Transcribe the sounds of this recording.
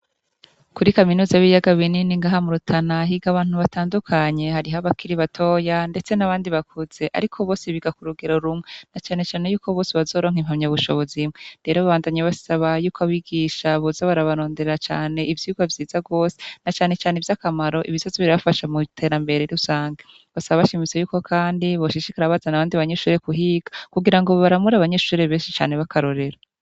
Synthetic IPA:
kuɾikaminuːzaβijaɡaβininiŋɡaːɦamuɾutʰanaɦiɡaβaːnhuβataːndukʰaɲe̞ɦaɾiɦaβakʰiɾiβatʰoːjande̞t͡se̞naβaːndiβakʰuz̥e̞ʔa̰ɾikʰo̞βo̞ːsiβiɡakuɾuɡeɾoɾumwenat͡ʃaːne̞t͡ʃaːnejuːkʰo̞βo̞ːsiβazo̞ɾo̞ːŋhim̥hamɲaβuʃo̞βo̞zimwede̞ɾoβaβaːndaɲeβasaβajuːkoaβiɡiʃaβozaβaɾaβaɾo̞ːndeeɾat͡ʃa̰ːne̞ivjuːɡavjiːzaɡo̞ːse̥nat͡ʃaːne̞t͡ʃaːnevjakamaɾo̞ʔiβizozoβiɾaβafaʃamutʰe̞ːɾambe̞ɾeɾusaːŋɡa | βasaβaβaʃimit͡se̞juːko̞kʰaːndiβoʃiʃikaɾaβazanaβaːndiβaɲe̞ʃuːɾe̞kuɦiɡ̥akuɡiɾaŋɡo̞βaɾamuɾaβaɲe̞ʃuːɾeβe̞ːʃit͡ʃa̰ːne̞βakʰaɾo̞ɾe̞ɾa

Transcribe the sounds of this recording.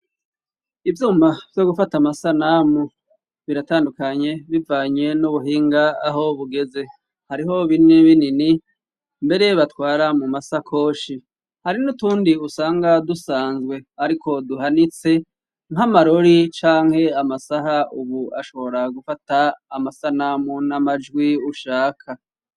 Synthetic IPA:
ivjuːmav̥jo̞ɡufatamasanaːmu | βiɾataːndukaɲe̞βivaːɲe̞nuβuɦiːŋɡaːɦo̞βuɡe̞ze̞ | haɾiɦo̞βiniβinini | mbe̞ɾe̞βatwaːɾamumasakʰo̞ːʃi | haɾinutuːndiusaːŋɡadusaːnzɡwe̞aɾiko̞duɦanit͡se̞ | ŋamaɾo̞ɾit͡ʃaːŋhe̞amasaɦauβuaʃo̞βo̞ɾaɡufataːmasanamunamad͡ʒɡwiuʃaːkʰa

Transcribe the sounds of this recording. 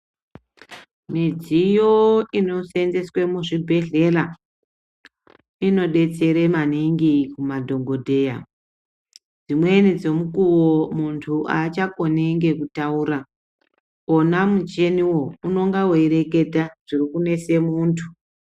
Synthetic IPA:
mid͡zijoino̞send͡zeswe̞muʐibʱe̞ɮe̞ra | ino̞ɗe̞t͡se̞ɾemaniŋɡikumadʱo̞ŋɡo̞dʱe̞ːja̰ | d͡zimwe̞nid͡zo̞mukuwomuntʰuat͡ʃako̞neŋɡe̞kutauːɾa | onamut͡ʃe̞niwo̞uno̞ŋɡawoiɾe̞ke̞dʱaʐ̥irikune̞se̞muːntʰu

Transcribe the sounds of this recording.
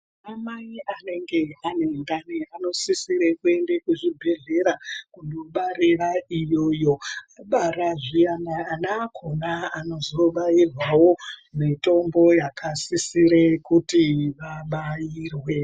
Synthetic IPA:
amaiane̞ŋɡe̞anendaneano̞sisiɾekue̞ndekuʐibʱe̞ɮe̞ɾakuno̞ɓaɾeraijo̞ːjo̞aɓaɾaʐianaːnaːkʰonaano̞zo̞ɓajirwawomito̞mbo̞jakasisiɾekutiʋaɓajiːrwe̞

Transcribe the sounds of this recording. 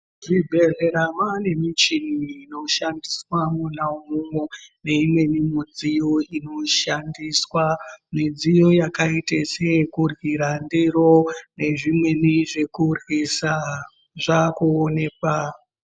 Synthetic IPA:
ʐibʱe̞reɾamane̞mit͡ʃiniːno̞ʃandiswamunaumumwone̞imwe̞nimud͡zijoino̞ʃandiswamid͡zijo̞jakaitesekurwiɾandeɾo̞ne̞ʐimwe̞niʐe̞kurisa | ʐakuone̞ka

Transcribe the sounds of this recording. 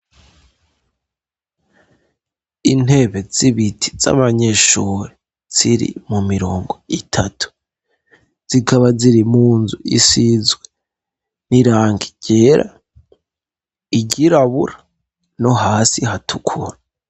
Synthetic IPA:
in̥he̞βez̥iβitʰi̥z̥a̰βaɲeʃuːɾe | z̥iɾḭmumiɾo̞ːŋɡo̞itʰatʰu̥ | z̥ikʰaβaziɾimuːnzuʔisizɡwe | niɾaːŋɡi̥ɟ̥e̞ːɾa̰ | iɟiɾaβuɾa | no̞ɦaːsiɦatʰukʰuɾa

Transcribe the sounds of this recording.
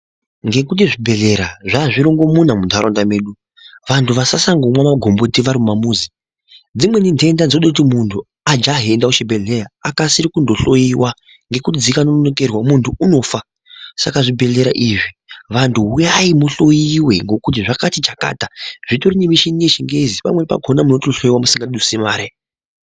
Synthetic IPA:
ŋɡe̞kut̬iʐibʱe̞ɮe̞ɾaʐaːʐiɾoŋɡo̞munamundʱaɾondame̞ːɗu | ʋantʰuʋasasaŋɡomwamaɡʱo̞mbotiʋaɾimumamuːzi | d͡zimwe̞ninde̞ndand͡znoɗakutimuntʰu | ad͡ʒaɦe̞ndaut͡ʃibʱe̞ɮeɾaakasiɾikundoɬo̞jiwa | ŋɡe̞kud͡zikanononoke̞rwamuntʰuuno̞fa | sakaʐibʱe̞ɮe̞ɾa̰ʔiʐiʋantʰuɦujaimuɬo̞jiwe̞̰ŋɡo̞kut̬iʐakatit͡ʃaka̰ːtaʐ̥itorinemiʃinijeʃiŋɡe̞zipa̰mwepa̰ɡʱonamuno̞toɬo̞jiwamusiŋɡaɗusemaːɾe

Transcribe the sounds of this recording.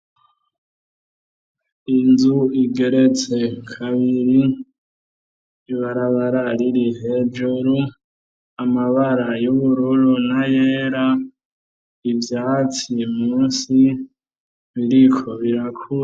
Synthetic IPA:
inzuiɡe̞ɾe̞t͡se̞kʰaβiɾi | βaɾaβaɾaɾiɾihed͡ʒuɾu | amaβaɾajuβuɾuɾunajeːɾa | ivjaːt͡simuːnsi | βiɾikʰoβiɾakʰu

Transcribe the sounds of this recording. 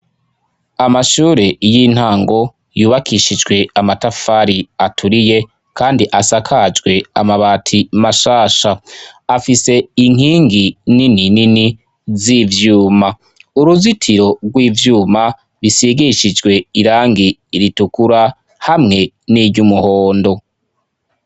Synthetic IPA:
amaʃuːɾe̞jin̥haːŋɡo̞ | juːβakiʃid͡ʒɡwe̞amatafaːɾiatʰuɾije | kʰaːndiʔasakʰad͡ʒɡwe̞a̰maβaːtʰimaʃaːʃaːfise̞iŋ̥iːŋɡinininini | ziːvjuːma | uɾuzitʰiɾo̞ɡwiːvjuːma | βisiɡiʃid͡ʒɡwe̞iɾaːŋɡiɾitukuɾa | hamŋe̞ | niɟumuho̞ːndo̞

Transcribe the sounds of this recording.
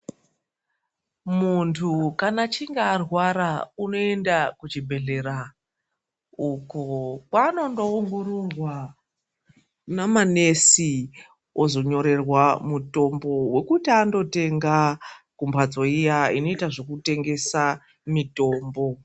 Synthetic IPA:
muntʰukanat͡ʃiŋɡaːrwaɾauno̞e̞ndakut͡ʃibʱe̞ɮe̞ɾa | ukokwaːno̞ndooŋɡo̞ɾorwa | namane̞si | wʔozo̞ɲo̞ɾe̞rwamuto̞mbo̞we̞kutiando̞te̞ŋɡakumbʰʱad͡zo̞ijaino̞itaʐo̞kute̞ŋɡe̞sa | mito̞ːmbo̞

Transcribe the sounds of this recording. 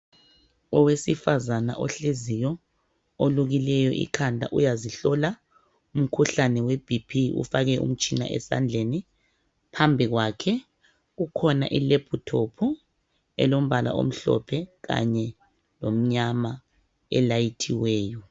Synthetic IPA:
ɔwesifazana̰ʔɔɬezijɔ | oluɣilɛjɔʔḭkʰandʱa̰ʔujaziɬɔla | um̩kʰuɬanɛweb̥ʱipʰiṵfaɣɛʔṵm̩t͡ʃʼina̰ʔɛ̰sa̰nd͡ɮʱeni | pʰambʱiɣwaːkʰɛ | ɣukʰɔna̰ʔileb̥ʰʱutʰopʰu | ɛ̰lom̩βala̰ʔo̰m̩ɬɔ̰pʰɛɣa̰ɲɛ | lom̩ɲama | ɛ̰lajitʰiwɛːjɔ

